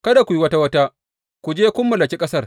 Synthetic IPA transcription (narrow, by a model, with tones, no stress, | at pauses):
kɐ˦da˨kʷu˨ji˦wɐ˦ta˦wɐ˦ta˦ | kʷu˨d͡ʒeː˦kʷʊ˦mːɐ˨lɐ˨kʲi˦kʼɐ˦sɐ˦r